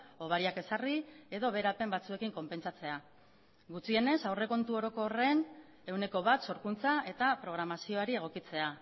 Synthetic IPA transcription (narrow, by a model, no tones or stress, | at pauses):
o̞β̞aɾiake̞sarie̞ðo̞β̞e̞ɾape̞mbat͡sue̞kiŋko̞mpe̞nt͡sat͡se̞a | ɡut͡sie̞ne̞sawre̞ko̞nt̪uo̞ɾo̞ko̞re̞n | e̞wne̞ko̞βat̪so̞ɾkunt͡saʔe̞t̪apɾo̞ɣ̞ɾamasio̞aɾie̞ɣ̞o̞kit͡se̞a